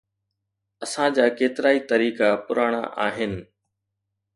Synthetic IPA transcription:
ɐsãd͡ʑaːkeːt̪ɪɾaːit̪ɐɾiːkapʊɾaːɽ̃a̰ʔa̰ːɦɪnɪ̆

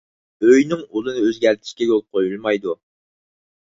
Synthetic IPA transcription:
øjnɪŋulˠɨnɨøzɡʲɛɾt̪ʰɪ̥ʃkʲɛɡʲolˠp̚qʰojulˠmɑjd̪u

